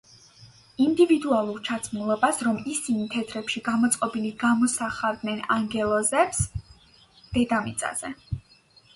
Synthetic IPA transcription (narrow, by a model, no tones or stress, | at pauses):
ind̪ivid̪ualˠuɾt͡ʃʰat̪sʰmulˠɔbasɾɔmisinit̪ʰɛt̪ʰɾɛpʃiɡamɔt̪sʼqʼɔbiliɡamɔsaχavd̪nɛnaŋɡɛlˠɔzɛps | d̪̥ɛd̪amit̪sʼa̰z̥ɛ